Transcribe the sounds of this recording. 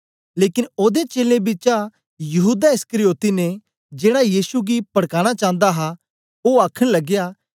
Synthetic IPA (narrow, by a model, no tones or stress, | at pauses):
leːkɪnoːd̪et͡ʃeːlẽbɪt͡ʃa | jɐɦuːd̪aɪskəɾijoːt̪ine | d͡ʒeːɽajiːsuɡipɐɽkaːɽ̃at͡ʃãːnd̪aɦa | oaːkʰəɽ̃lɐɡja